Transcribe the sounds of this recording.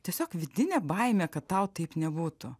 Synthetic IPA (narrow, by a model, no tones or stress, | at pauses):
t̪ʲiɛsʲoːkʋʲɪd̪ʲɪnʲɛbɐɪmʲɛkɐt̪tɐʊt̪ɐɪpnʲɛbuːt̪ʊ